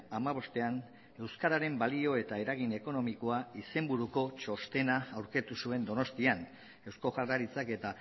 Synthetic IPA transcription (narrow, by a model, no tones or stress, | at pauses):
amaβ̞o̞st̪e̞an | e̞wskaɾaɾe̞mbalio̞e̞t̪ae̞ɾaɣ̞ine̞ko̞no̞miko̞aise̞mbuɾuko̞t͡ʃo̞st̪e̞naːwɾke̞t̪usue̞nd̪o̞no̞st̪ian | e̞wsko̞ɣaraɾit͡sake̞t̪a